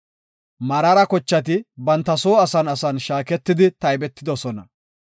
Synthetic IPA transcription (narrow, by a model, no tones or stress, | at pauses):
mɐɾɐɾɐkɔt͡ʃːɐt̪̬ɪbɐnt̪ːɐso̞ːɐsɐnɐsɐnʃaːkɛt̪ːɪd̪ɪt̪ɐjbɛt̪ːɪd̪ɔsɔnɐ